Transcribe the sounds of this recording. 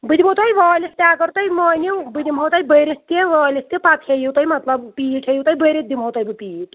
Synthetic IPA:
bɨd̪ibot̪ʰɐjʋaːlist̪ʲaːkɐɾt̪ɐjmɐːniwbɨd̪imɦɐwt̪ɐjbəɾist̪eʋaːlʲist̪ipɐt̪ʰejiwt̪ɐjmɐt̪lɐbpiːʈʰejiwt̪ɐjbəːɾed̪imɦowt̪ɐjbɨpiːʈ

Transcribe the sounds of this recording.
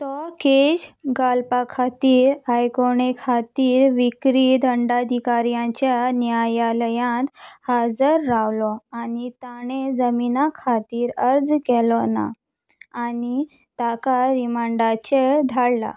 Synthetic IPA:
t̪ɔked͡ʑɡalpakʰat̪iːɾajkoɳekʰat̪iːɾʋikɾid̪ʱəɳɖad̪ʱikaɾjãt͡ɕjanjajaləjãnt̪had͡zəɾːawlɔanit̪aɽ̃ed͡zəminakʰat̪iːɾəɾd͡zkɛlɔna̰ | ani | t̪akaɾimaɳɖat͡ɕeɾd̪ʱaɽla̰

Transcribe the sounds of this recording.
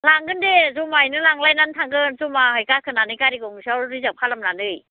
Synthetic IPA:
laŋɡɯndezɔmajnɯlaŋlajnantʰaŋɡɯnzɔmahɯjkakʰɯnanɯjkaɾiɡɔŋsawɾɯzap̚kʰalamnanɯj

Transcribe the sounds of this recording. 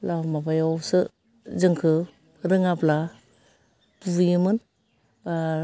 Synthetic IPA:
lamabajɔwsɯ | zɯŋkʰɯ | ɾɯŋapla | pujɯmɯn | ba

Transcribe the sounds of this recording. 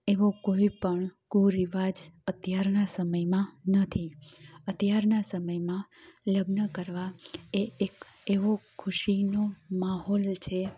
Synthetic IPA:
eʋokoipəɳkuɾiʋad͡ʒət̪jaɾnasəməjmãnət̪ʰiət̪jaɾnasəməjmãləɡnəkəɾʋaeek | eʋokʰʊʃinomaɦɔlt͡ʃʰe

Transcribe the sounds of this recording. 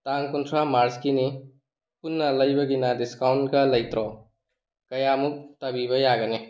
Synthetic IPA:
t̪aŋkunt̪ʰɾamaɾskini | kunːalɐjbɐɡinadiskawɳʈkalɐjt̪ɾɔ | kɐjamuk̚t̪ɐbibɐjaɡɐne

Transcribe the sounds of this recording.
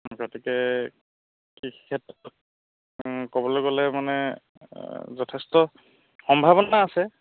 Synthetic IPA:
kɔtikɛ | kikkʰɛtːɔ | kobɔloɡɔlɛmanɛ | zɔtʰɛstɔ | xɔmbʱaβɔnaːsɛ

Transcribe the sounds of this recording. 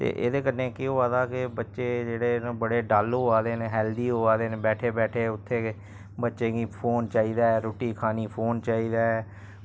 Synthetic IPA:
t̪ḛːʔḛːd̪eːkənnːẽːkɪoːaːd̪aːkɪbətːʃeːd͡ʒeːɽeːbəɽeːɖaːloːaːd̪eːneɦɛːld̪iːɦoːaːd̪eːneːbɛːʈʰeːbɛːʈʰeːʊt̪ʰːeː | bətːʃeːɡiːpʰoːnt͡ʃaːiːd̪aːɛːɾoːʈiːkʰaːniːpʰoːnt͡ʃaːiːd̪aːɛː

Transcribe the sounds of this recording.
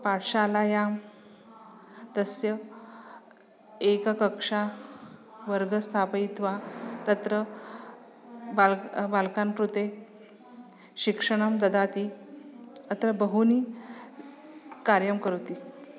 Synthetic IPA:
paʈʰʂalajam | t̪əsjə | ekkəkʂa | ʋəɾɡəst̪ʰapəit̪ʋat̪ət̪ɾə | balbalkankɾut̪e | ɕikʂəɽ̃əmd̪əd̪at̪i | ət̪ɾəbəɦuniː | kaɾjəmkəɾt̪i

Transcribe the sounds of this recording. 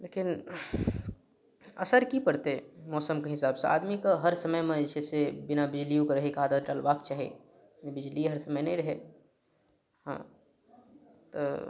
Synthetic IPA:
leːkɪn | ɐ̰səɾkipɐɽt̪emɔːsəmkeɦɪsaːbsḛa̰ːd̪mikaɦɐɾsɐməjmẽd͡ʒɛːsebɪnabɪd͡ʒlijũkeɾɐɦikaːd̪aːd̪ʈaːlʋaːkt͡ʃaːɦḛ | bɪd͡ʒliɦɐɾsɐməjnẽĩɾɐɦeː | ɦã̰ː | t̪o̰

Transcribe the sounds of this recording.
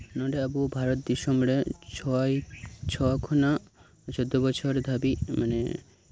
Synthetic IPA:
nɔɖeabubʱaɾɔt̪d̪iʃɔmɽet͡ʃʰɔjt͡ʃʰɔkʰɔna | t͡ʃod̪ːɔbɔt͡ʃʰɔɾd̪ʱabimanḛ

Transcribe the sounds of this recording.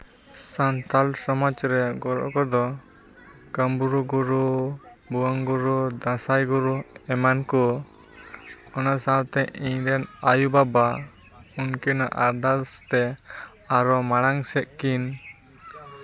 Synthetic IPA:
sant̪alsɔmɔt͡ʃɾɛɡɔɾɔ̰ʔkɔd̪ɔ | kəmbuɾuɡuɾu | buwaŋɡuɾud̪ãsajɡuɾuɛmanku | ɔnasat̪ɛʔiɲɾɛnajubaba | unkɛna̰ʔaɾd̪alst̪ɛ | aɾɔmaɽ̃aŋsɛʔ̪̚kin

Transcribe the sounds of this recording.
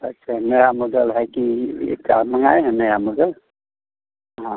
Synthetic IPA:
ɐtːʃʰaneɾamɔd̪əlɦɛkiḛkaməŋa̰ːeɦɛ̃nejamɔd̪əl | ɦã

